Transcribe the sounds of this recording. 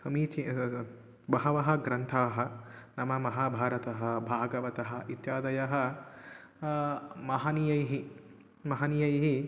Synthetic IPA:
sɐmiːt̪ʰi | bɐɦɐʋɐɦɐ̆ɡɾɐnt̪ʰaːɦɐ̆nɐmɐmɐɦaːbʱaːɾɐt̪ɐɦɐbʱaːɡɐʋɐt̪ɐɦɐ̆ʔit̪jaːd̪ɐjɐɦɐ | mɐɦɐnijɐjɦi | mɐɦɐnijɐjɦi

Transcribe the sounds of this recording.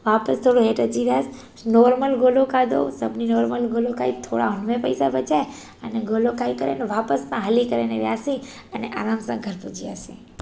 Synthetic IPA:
ʋapəst̪ʰoɽoɦeʈəd͡ʒiɾas | nɔɾməlɡolokad̪o̰səbninɔːɾməlɡolokait̪ʰoɽa̰ɦuɳmepəjsaʋət͡ʃaj | əneɡolokaikəɾḛneʋapəsmãɦəlikəɾeneʋjasĩ | əneʔa̰ɾamsə̰̃ɡʱəɾpud͡ʒiasḭ̃

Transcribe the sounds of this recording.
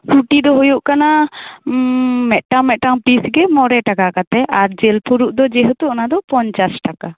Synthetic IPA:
suʈid̪ɔɦujuʔkana | mɛʔʈamɛʔ̚ʈaŋpisɡɛmɔɾɛʈakakat̪ɛʔaɾd͡ʒelpʰuɾuʔd̪ɔd͡ʒɛɦut̪uʔɔnad̪ɔpɔɲt͡ʃasʈaka

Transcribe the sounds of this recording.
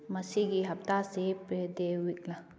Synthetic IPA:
mɐsiɡiɦɐp̚t̪aseped̪ewikla

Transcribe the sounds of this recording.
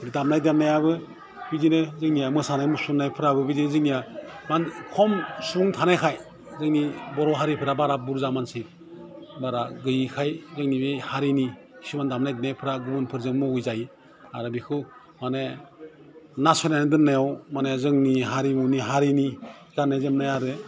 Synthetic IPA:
didamnajdamnajaβɯ | bidinɯzɯŋnijamɯsanajmusunːajpʰɯɾabɯbidinɯzɯŋnijamankʰɔmsuŋtʰanajkʰaj | zɯŋnibɔɾɔɦaɾipʰɯɾabaɾabuɾzamansi | baɾaɡɯjikʰajzɯŋnibehaɾini | kʰi̥simandamnajdnajpʰɯɾaɡubunpʰɯɾzɯŋmɯujzaj | aɾɯbikʰɯ | mane | nasɔnandɯnːajawmanezɯŋniɦaɾimuniɦaɾini | kanːajzɯmnajaɾɯ

